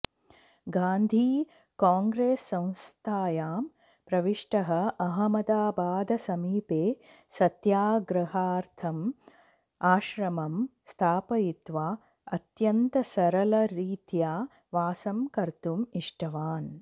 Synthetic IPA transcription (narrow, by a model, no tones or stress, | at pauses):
ɡaːnd̪ʱiː | kaːŋɡɾeːsːɐ̃w̃st̪ʰaːjaːm | pɾɐʋiʂʈɐɦɐ̆ʔɐɦɐmɐd̪aːbaːd̪ɐsɐmiːpeː | sɐt̪jaːɡɾɐɦaːɾt̪ʰɐm | aːʃɾɐmɐmst̪ʰaːpɐjit̪ʋaː | ɐt̪jɐnt̪ɐsɐɾɐlɐɾiːt̪jaː | ʋaːsɐmkɐɾt̪umiʂʈɐʋaːn